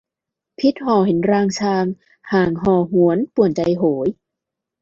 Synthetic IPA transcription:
pʰi˦˥t̪̚hɔː˨˩he˩˦nɾaː˧ŋt͡ɕʰaː˧ŋ | haː˨˩ŋɦɔː˧˩ɦu˨˩˦ənpu˨˩ənt͡ɕa˧jɦoː˩˦j

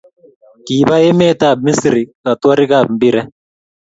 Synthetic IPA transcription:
ki˨ba˦ɛ˦mɛ˦˨ta˦˨bmi˦si˨ɾi˨ka˨twa˦ɾi˦ka˦˨bm̩˦bi˦ɾɛ˦

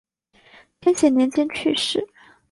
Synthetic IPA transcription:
t̪ʰjɛ˥nɕjɛ˨˩njɛ˧˥nt͡ɕjɛ˥nt͡ɕʰy̰˥˧ʂɻ̩˥˩

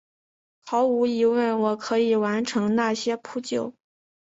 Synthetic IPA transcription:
xɑ˧˥ʊu˧˥i˧˥wə˥˩nwɔ˨˩kʰɤ˧˥i˨˩wa˧˥nʈ͡ʂʰɤ˧˥ŋna˥˩ɕjɛ˥pʰu˥t͡ɕjo˥˩ʊ

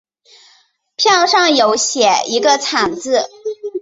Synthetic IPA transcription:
pʰjɑ˥˧ʊʂɑ˥˩ŋjo˧˥ʊɕjɛ˨˩˦i˧˥ɡə˧t͡sʰa˨˩ŋt͡sɹ̩˥˩

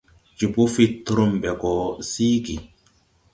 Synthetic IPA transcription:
d͡ʒi˨bu˦fi˦t̪ːu˦ɾu˦mɓɛ˨ɡɔ˨siː˦ɡi˨

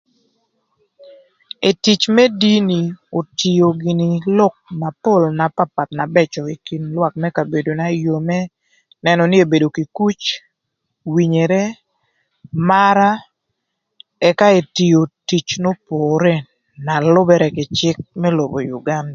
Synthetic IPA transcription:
e˨ti˨t͡ʃmɛ˦di˦ni˨o˨ti˨jo˨ɡi˨ni˨lɔ˦k̚na˨po˦˨lna˨pa˦pa˨t̪na˨bɛt͡ʃɔ˨i˨ki˨nlwa˦k̚mɛ˦ka˨be˨do˨na˨jo˨mɛ˦ | nɛ˦nɔ˨nɪ˦e˨be˨do˨ki˨ku˦t͡ʃ | wi˨ɲe˨ɾɛ˦ | ma˦ɾa˦ | ɛ˦ka˦e˨ti˨jo˨ti˨t͡ʃno˦poː˨ɾe˦ | na˨lʊ˦bɛ˦ɾɛ˦kɪ˨t͡ʃɪ˦k̚mɛ˦lo˨bo˨jṵ˨ɡa˦nda˨

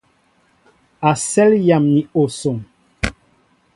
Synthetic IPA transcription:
a˨sɛ˦lja˨mni˨o˨so˨m

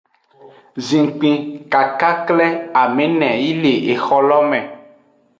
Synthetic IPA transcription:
zĩ˨ŋ˨k͡pĩ˨ka˨ka˦klɛ˦a˨mẽ˨nɛ̃˨ji˦le˨ʔe˨xɔ˦lɔ˦mɛ̃˨

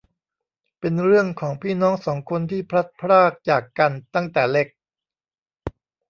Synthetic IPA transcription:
pe˧nɾɯ˥˩əŋkʰɔː˩˦ŋpʰiː˥˩nɔː˦˥ŋsɔː˩˦ŋkʰo˧nt̪ʰiː˥˩pʰɾa˦˥t̪̚pʰɾaː˥˩k̚t͡ɕaː˨˩kːa˧nt̪a˥˩ŋt̪ɛː˨˩le˦˥k̚

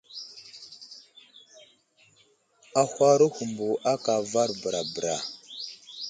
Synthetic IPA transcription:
a˨xʷa˦ɾu˦hu˨mbu˨ʔa˦ka˨va˦ɾbə˨ɾa˨bə˨ɾa̰˨

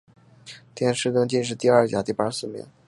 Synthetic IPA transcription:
t̪jɛ˥˧˩nʂɻ̩˥˧t̪ɤ˥˧ŋt͡ɕi˥˧nʂ̬ɻ̩˥˧t̪i˥˧ɐ˥˩t͡ɕja̰˨˩t̪i˥˩pa˥sɹ̩˥˩mḭ˧˥˦

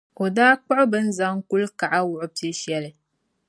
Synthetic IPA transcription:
o˨daː˦k͡pʊ˦ʔʊ˦bɨ˦n̩˦za˦ŋku˦lka˨ʔa˦wʊ˦˨ʔʊ˦pɨ˦ʃɛ˦lɨ˨

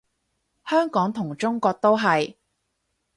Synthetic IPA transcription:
hœː˥ŋkɔː˨˥ŋt̪ʰʊ˨˩ŋt͡ʃʊ˥ŋkɔː˧k̚t̪o˥wɦɐ˨j

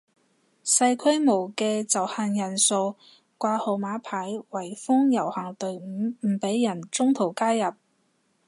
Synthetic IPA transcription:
sɐ˧jkʰɵ˥ɥmo˨˩wkɛː˧t͡sɐ˨˩whaː˧njɐ˨˩nso˧w | kʷaː˧ho˨˧wmaː˨˥pʰaː˨˥jwɐ˨˩jfʊ˥ŋjɐ˨˩whɐ˨˩ŋt̪ɵ˨˧ɥ̩˨˥m̩˨˩pe˨˥jːɐ˨˩nt͡sʊ˥ŋt̪ʰo˨˩wkaː˥jɐ˨p̚

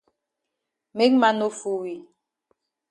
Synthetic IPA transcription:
me˦kma˦no˦fu˦wi˨

